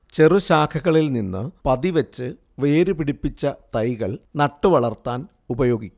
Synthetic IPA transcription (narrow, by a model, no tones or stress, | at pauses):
t͡ɕe̞ruɕaːkʰɐɣɐɭilninːɨ̰pɐðiʋɐt͡ɕːɨ | ʋe̞ːɾupiɽipːit͡ɕːɐt̪ɐjɣɐɭnɐʈːɨʋɐɭɐrt̪ːaːn | ubɐjo̞ːɡikʲː